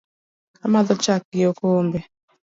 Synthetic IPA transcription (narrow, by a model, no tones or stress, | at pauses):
amaðɔt͡ʃak̚ɪokombe